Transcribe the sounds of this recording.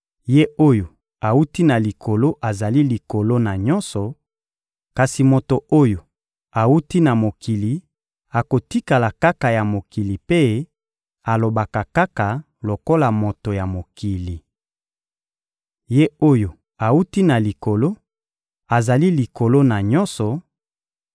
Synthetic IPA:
je˦o˦jo˨ | a˨wu˦ti˦na˨li˨kʰo˨lo˦ʔa˨za˨li˦li˨ko˨lo˦na˨ɲɔ˦nsɔ˨ | ka˨si˨mo˨to˨o˦jo˨ | a˨wu˦ti˦na˨mo˨ki˨li˨ | a˨ko˨ti˦ka˨la˨ka˦ka˨ja˨mo˨ki˨li˨pe˦ | a˨lo˨ba˨ka˨ka˦ka˨ | lo˨ko˦la˨mo˨to˨ja˨mo˨ki˨li˨ | je˦o˦jo˨ | a˨wu˦ti˦na˨li˨ko˨lo˦ | a˨za˨li˦li˨ko˨lo˦na˨ɲɔ̃˦nsɔ˨

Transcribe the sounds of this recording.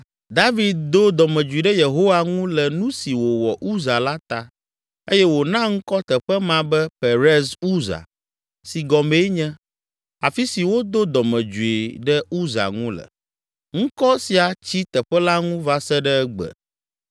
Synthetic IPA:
d̪a˦vi˨d̪̚d̪o˦d̪ɔ˨mɛ̃˨d͡ʒu˨i˨ɖɛ˦je˨ɦo˦wa˨ŋũ˦lɛ˨nũ˦si˨wo˨wɔ˨ʔu˦za˨la˦t̪a˦ | e˦jɛ˦wo˨nã˦ŋ̩˦kɔ˦t̪ɛ˨ɸɛ˦mã˨bɛ˦pe˨ɾɛ˦zu˦za̰˨ | si˨ɡɔ˨me˦ɲɛ̃˦ | a˨fi˦si˨wo˦d̪o˦d̪ɔ˨mɛ̃˨d͡ʒu˨i˨ɖɛ˦u˦za̰˨ŋũ˦lə̰˨ | ŋ̩̃˦kɔ˦si˨a˨t͡ɕi˦t̪ɛ˨ɸɛ˦la˦ŋũ˦va˦sɛ˦ɖɛ˦ɛ˦ɡ͡bɛ̰˨

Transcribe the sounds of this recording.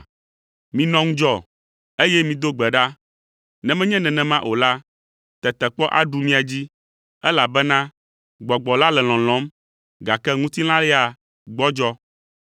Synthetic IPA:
mĩ˨nɔ̃˦ŋũ˦d͡ʒɔ˦ | e˦jɛ˦mĩ˨d̪o˦ɡ͡bɛ˨ɖa˦ | nɛ̃˨mɛ̃˦ɲɛ̃˦nɛ̃˨nɛ̃˨mã˦ʔo˨la˦ | t̪ɛ˨t̪ɛ˨k͡pɔ˦ʔa̰˨ɖu˨mĩ˦a˨d͡ʑi˦ | ɛ˦la˨bɛ˦nã˦ | ɡ͡bɔ˨ɡ͡bɔ˨la˦lɛ˨l̃ɔ̃˨l̃ɔ̃˨˦m | ɡa˨kɛ˦ŋũ˦t̪i˦l̃ã˦lɛ˦a˨ | ɡ͡bɔ˦d͡ʒɔ˦

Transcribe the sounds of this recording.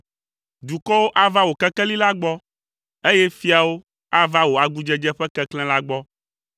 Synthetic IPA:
d̪u˨kɔ˦wo˦ʔa˦va˦wo˨kɛ˦kɛ˦li˦la˦ɡ͡bɔ˦ | e˦jɛ˦fi˦a˨wo˦ | a˦va˦wo˨a˨ɡu˦d͡ʒɛ˦d͡ʒɛ˦ɸɛ˦kɛ˦klɛ̃˦la˦ɡ͡bɔ˦

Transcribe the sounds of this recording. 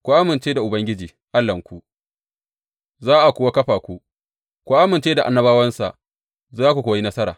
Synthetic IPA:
kʷu˨ʔa˦mɪ˨nt͡ʃeː˦da˨ʔʊ˨bɐ˦ŋɡʲɪ˦d͡ʒiː˨ | ʔa˦lːɐ˨ŋkʷu˦ | zaː˦ʔa˨kʷʊː˨wa˦kɐ˦ɸaː˨kʷu˦ | kʷu˨ʔa˦mɪ˨nt͡ʃeː˦da˨ʔa̰˨nːɐ˦baː˦wɐ˦nsa̰˨ʔ | zaː˦kʷu˨kʷoː˨˦ji˦nɐ˦sɐ˦ɾa̰ː˨

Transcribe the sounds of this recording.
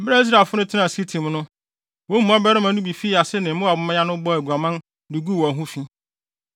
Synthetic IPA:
m̩˦bɾa˦i˦s̬ɾa˨lfʊ˦nʊ̃˦tʰɪ˦nã˨si˦tʰĩ˨m˦nʊ̃˦ | wõ˦m̩˦ɔ̃˦bɛ˦ɾɪ˦mã˨nʊ̃˦bi˨fi˦a˨sɪ˦nɪ̃˨m̩˦mʊ̃˦a˨bʊ˨mã˦ã˦nʊ̃˦bɔ˦æ˨ɡu˨a˨mã˦n | du˨ɡu˦˨wɔ˨ɦũ˦fi˦

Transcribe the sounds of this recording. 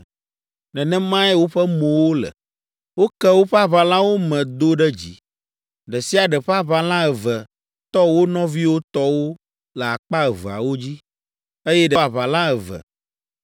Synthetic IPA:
nɛ̃˨nɛ̃˦mã˦ɛ˦wo˦ɸɛ˦mõ˨wo˦lɛ̰˨ | wo˦kɛ˦wo˦ɸa˦βa˨lã˦wo˦mɛ̃˨d̪o˦ɖɛ˦d͡ʑḭ˨ | ɖɛ˨si˦a˨ɖɛ˨ɸa˦βa˨lã˦ɛ˨və˨ | t̪ɔ˦wo˦nɔ̃˦vi˦wo˦t̪ɔ˦wo˦ | lə˨a˨k͡pa˦ɛ˨və˨a̰˨wo˦d͡ʑi˦ | e˦jɛ˦ɖɛ˨a˨βa˨lã˦ɛ˨və̰˨

